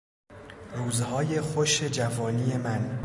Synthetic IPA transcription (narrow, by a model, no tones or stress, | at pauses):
ɾuːzhɒːje̞xoʃe̞d͡ʒævɒːniːje̞mæn